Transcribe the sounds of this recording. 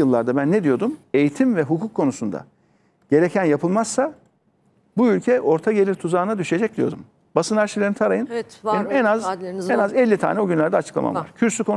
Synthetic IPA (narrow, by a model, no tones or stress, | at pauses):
ɯlˠːaɾd̪abænːɛd̪ijo̞d̪ume̞jit̪ʰimvɛɦukʰukʰːo̞nusund̪a̰ | ɟ̥e̞ɾecʰænjapʰɯlˠmaz̥sa | buylʲcʰɛʔo̞ɾt̪ʰaɟelʲiɾt̪ʰuzaːnad̪yʃe̞d͡ʒɛc̚d̪ʲijo̞d̪um | basɯnaɾʃilʲeɾinit̪ʰaɾajɯnenimɛnazɛnazɛlʲːit̪ʰa̰ːnɛoɟynlʲæɾd̪ɛat͡ʃʰɯ̥klˠa̰ma̰mva̰ɾ̥cʰyɾsykʰo̞n